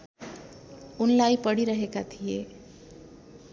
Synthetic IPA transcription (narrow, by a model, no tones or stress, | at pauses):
unlaipəɽiɾəɦekat̪ʰije